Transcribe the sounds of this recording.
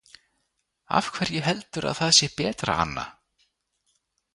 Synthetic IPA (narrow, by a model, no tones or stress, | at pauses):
a̰fkʰv̥ɛɾjɛɦɛlt̪ʏɾa̰ðθaðsjɛhpɛːt̪ɾa̰a̰nːa̰